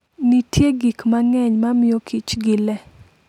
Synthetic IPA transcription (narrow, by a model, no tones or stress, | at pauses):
nitʰjeɡikmaŋɛɲmamɪjokʰit͡ʃɡɪlɛ